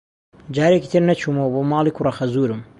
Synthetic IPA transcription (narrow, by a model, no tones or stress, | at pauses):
d͡ʒaːɾeːkiːt̪ʰɨɾnɐt͡ʃʰumowboːmaːlˠiːkʰurɐxɐzuːɾum